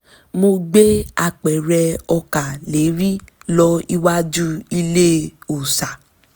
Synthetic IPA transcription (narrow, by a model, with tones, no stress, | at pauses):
mo˧ɡ͡be˦a˧˨k͡pɛ˨ɾɛ˧ɔ˧ka˨le˨˦ɾi˦lɔ˧i˧wa˦d͡ʒu˦i˧le˦o˨sa˨